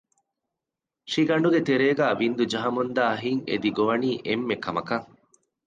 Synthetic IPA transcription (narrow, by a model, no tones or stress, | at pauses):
ʃiɡɐɳɖuɡet̪eɾeːɡæːʋind̪ud͡ʒɐɦɐmund̪aːɦiŋḛd̪iɡoʋɐniːʔemːekɐmɐkɐ